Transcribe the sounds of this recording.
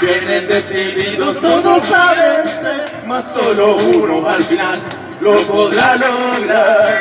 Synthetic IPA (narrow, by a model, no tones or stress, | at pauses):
t̪jenẽnd̪esiðiðost̪oðosaβense | masolounoalfinal | loɣoðaloɣɾa